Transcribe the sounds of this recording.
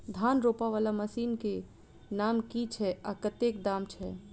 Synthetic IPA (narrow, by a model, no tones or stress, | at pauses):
d̪ʱanɾopaʋaːlaməsiːnke | namkit͡ʃʰɛa̰kət̪ekd̪amt͡ʃʰɛ